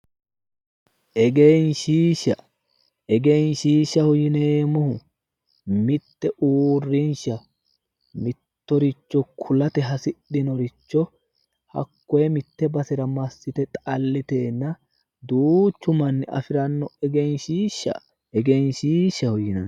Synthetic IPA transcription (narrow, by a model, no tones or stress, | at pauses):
ʔɛɡejnʃiːʃːɐ | ʔɛɡejnʃiːʃːɐhɔjɪneːmɔhʊ | mɪt̪ːɛʔuːrːɪnʃɐ | mɪt̪ːɔɾɪt͡ʃːɔkʰʊlɐt̪ɛɦɐsɪɗːɪnɔɾɪt͡ʃːɔ | hɐ̰kːɔjɛmɪt̪ːɛbɐsɛɾɐmɐsːɪt̪ɛt̪ʼɐlːɪt̪eːnːɐ | d̪uːt͡ʃːʊmɐnːɪʔɐ̰fɪɾɐnːɔɛɡejnʃiːʃːɐ̰ | ʔɛɡejnʃiːʃːɐhɔjɪnɐ̰n